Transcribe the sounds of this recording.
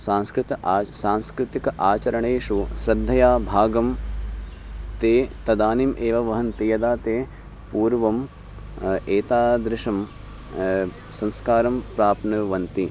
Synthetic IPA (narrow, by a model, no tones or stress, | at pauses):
saːnskɾɪt̪ɐsaːnskɾɪt̪ikɐʔaːt͡ʃɐɾɐɳeːʃuʃɾɐd̪ʱːɐjaːbʱaːɡɐm | t̪eːt̪ɐd̪aːnimʔeːʋɐʋɐɦɐnt̪ejɐd̪aːt̪eː | puːɾʋɐm | eːt̪aːd̪ɾɪʂɐm | sɐ̃nskaːɾɐmpɾaːpnɨʋɐnt̪i